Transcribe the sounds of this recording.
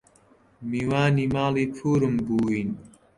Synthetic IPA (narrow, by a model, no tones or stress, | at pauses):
miːwaːniːmaːliːpʰuːɾɨmbuːwiːn